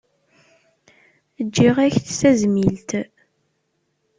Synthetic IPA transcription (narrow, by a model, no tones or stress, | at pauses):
əd͡ʒːiʁæçθsæzmilt̪